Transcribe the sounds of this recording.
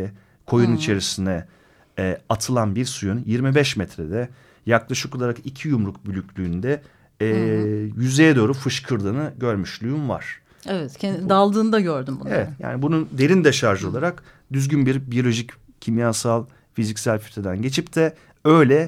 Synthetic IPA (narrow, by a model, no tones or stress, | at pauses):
ɛ | kʰo̞junit͡ʃʰe̞ɾisind̪ɛ | at̪ʰɯlˠanbiɾsujunjiɾmibɛʃmɛt̪ɾɛd̪ɛ | jaklˠaʃɯko̞lˠaɾakicʰijumɾuk̚bylʲycʰʲlʲyːnd̪ɛ | jyzejɛd̪o̞ːɾufɯʃkʰɯɾd̪ɯːnɯɟø̞ɾmyʃlʲˠujunva̰ɾ̥ | evɛt̪ʰɛd̪alˠd̪ɯːnd̪aɟøɾd̪ymbuevɛt̪ja̰ːnibunund̪e̞ɾind̪ɛʃaɾʒɯo̞lˠaɾak | d̪yzɟynbiɾbijo̞lʲo̞ʒic | cʰːimjasalˠ | fizicsælʲfʰy̥t̪ʰed̪ænɟe̞t͡ʃʰipt̪ʰɛ | ø̞jlʲɛ